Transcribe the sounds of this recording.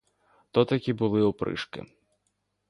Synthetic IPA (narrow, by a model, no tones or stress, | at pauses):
t̪ɔt̪ɐkʲibulˠɨupɾɨ̰ʂkɪ̰